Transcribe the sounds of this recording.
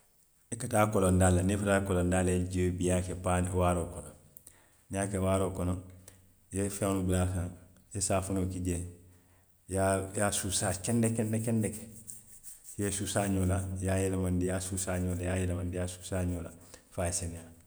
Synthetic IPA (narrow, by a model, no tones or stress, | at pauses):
ekataːkolondalːanefataːkolondalːeeɟebijakepanwaɾoːkonon | naːkewaːɾoːkonon | jefenubulas̬an | jesaːfunoːkiɟe | jajasusakendekendekendeke | jesusaːɲolajajelamandijasusaːɲoːlajaːjelamandijasusaɲoːlafaːjseneja